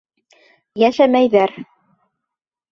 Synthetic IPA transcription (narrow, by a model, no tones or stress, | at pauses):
jæʃæmæjðæɾ